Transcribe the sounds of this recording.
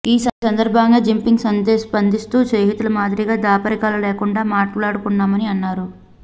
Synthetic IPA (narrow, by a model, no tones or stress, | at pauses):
iːsɐsɐnd̪ɐɾbʱɐŋɡaːd͡ʒimpiŋɡsɐnd̪eːspɐnd̪ist̪uːt͡ʃejɦit̪ulɐmaːd̪iɾiɡaːd̪aːpɐɾikaːlɐlɛːkuɳɖaːmaːʈlaːɽukunːaːmɐniɐnːaːɾu